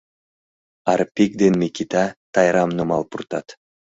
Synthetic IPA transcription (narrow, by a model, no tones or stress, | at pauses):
aɾpʲikd̪enmikʲit̪at̪ʰɑjɾamnumɑ̰lˠpuɾt̪ɑt̪